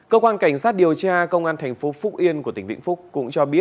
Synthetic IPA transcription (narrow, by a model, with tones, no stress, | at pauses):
kəː˧kwaː˧nka˧˩jŋ̟saː˦˥t̚ɗi˨˩əwt͡ɕaː˧kə˧wŋ͡mʔaː˧nt̪ʰɛ˨˩jŋ̟fo˨˦fʊ˦˥k̚ʔi˧ənku˧˩ət̪i˧˩ŋ̟vḭ˧˨ŋfʊ˦˥k͡p̚kʊ̰˧˥ŋ͡mt͡ɕɔ˧ɓi˦˥ət̚